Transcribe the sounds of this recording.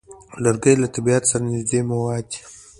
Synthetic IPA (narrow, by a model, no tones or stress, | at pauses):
laɾɡəjlat̪abiat̪saɾanɪzd̪emawɑd̪i̥